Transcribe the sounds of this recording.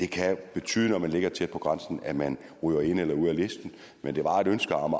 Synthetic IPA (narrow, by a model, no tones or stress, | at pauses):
d̥e̝kʰæb̥e̝t͡sʰy̰ːð̞ˠnɒmænle̝ɡ̥ɐt͡sʰed̥̚pʰɒ̽ɡ̥ʁɑ̈nsn̩æmæn | ʁy̰ːʊɐe̝n̰elɐuð̞̰ˠæle̝sd̥n̩ | mend̥e̝ʋɑ̈e̝ɾønsɡ̥ɐɑm